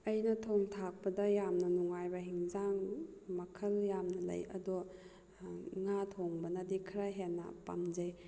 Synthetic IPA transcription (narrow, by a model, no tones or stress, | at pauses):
ɐjnɐtʰɔŋtʰak̚pɐdɐjamnɐnuŋajbɐɦiŋzaŋmɐkʰɐljamnɐlɐ̰jɐ̰dɔ | ŋatʰɔŋbɐnɐdikʰɾaɦenːɐ̰pa̰md͡ʒɐj